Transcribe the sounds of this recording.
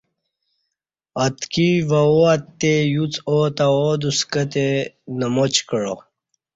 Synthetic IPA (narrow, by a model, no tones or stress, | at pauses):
ɐt̪kivɐoɐt̪ːejut͡soːt̪ɐod̪uskɐt̪e | nɐmot͡ɕkəɻo̰